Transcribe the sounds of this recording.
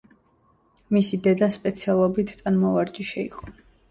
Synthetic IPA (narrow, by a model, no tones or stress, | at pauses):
misid̪ɛd̪aspʼɛt̪sʰialˠɔbit̪ʰʼanmɔvaɾd͡ʒiʃɛḭqʼɔ